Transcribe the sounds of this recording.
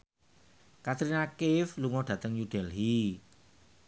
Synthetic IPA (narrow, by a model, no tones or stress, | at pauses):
kat̪ɾinakɪfluŋɔɖ̥ä̤t̪əŋjuɖ̥ɛlɦi